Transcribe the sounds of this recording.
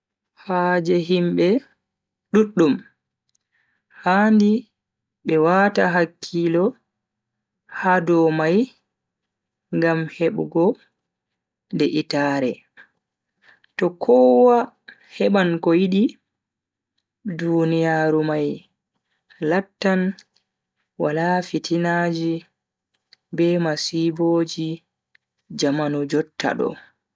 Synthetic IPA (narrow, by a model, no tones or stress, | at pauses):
had͡ʒɛɦimɓɛ | ɗuɗːum | handi | ɓɛwataɦakʰːilɔ | hadɔmaj | ŋɡamheɓɡɔ | ndɛʔitaːɾɛ | tɔkʰɔwa | hɛɓankɔjiɗi | dunijaːɾumaj | latːan | walafitʰinad͡ʒi | bɛmasiboːd͡ʒi | d͡ʒamanɔd͡ʒɔtːa̰ɗɔ̰